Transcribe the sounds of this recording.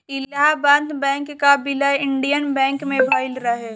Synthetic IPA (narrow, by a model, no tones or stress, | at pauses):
ɪlabãnd̪bɛ̃ːŋkːabɪlaɪɳɖijənbɛ̃ːŋkmẽbʱaːɪlɾaɦɛː